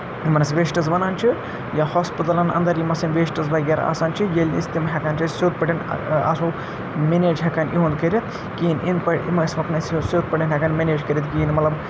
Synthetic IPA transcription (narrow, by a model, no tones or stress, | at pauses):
imɐnɐsʋeːsʈɐzbɐnaːnʲt͡ʃʰi | jahoːspit̪ɐlɐnɐ̰nd̪ɐɾjimɐsɐnʋeːsʈɐzbɐɡʲeːɾa̰ːsaːnt͡ʃʰijelʲnḭst̪imɦʲɛkɐnʲt͡ʃʰɐsoːt̪̚pɐɽinɐ̰su | meneːd͡ʒɦekɐnʔiɦũnd̪kɐɾʲi | kiːnʔind̪pɐɽḭmɐsmɐknɐssoːd̪̚pɐʈinʲɦʲɛkɐnmʲeneːd͡ʒkɐɾʲit̪kiːnmɐt̪lɐb